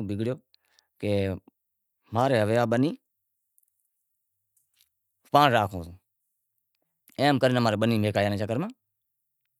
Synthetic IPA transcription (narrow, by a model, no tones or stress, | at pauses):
bɪɡɽɪjoː | keː | maːɾeːɦəʋeːaːɓəniː | pãːnɾaːkʰõːsː | ẽːmkəɾɪnəmaːɾeːɓəniːmeːkaːjaːnẽːt͡ʃakəɾmãː